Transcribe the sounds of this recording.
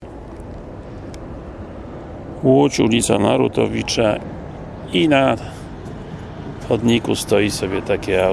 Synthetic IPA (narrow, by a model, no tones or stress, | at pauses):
uot͡ʃunisa̰na̰ɾut̪o̰ʋit͡ʃa | ina | od̪nikust̪oisobjet̪akea